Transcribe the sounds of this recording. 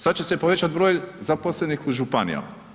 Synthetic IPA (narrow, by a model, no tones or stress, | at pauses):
sad̪t͡ɕe̞se̞poʋe̞t͡ʃat̪bɾo̞ːjzaposlenixuʒupanḭja̰m